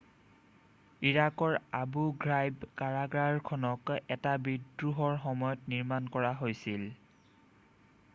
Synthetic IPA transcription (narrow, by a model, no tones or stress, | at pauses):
iɹakɔɹabuɡɹajbkaɹaɡɹaɹkʰɔnɔkɛtabidɹuɦɔɹxɔmɔjɔtniɹmankɔɹaɦojsil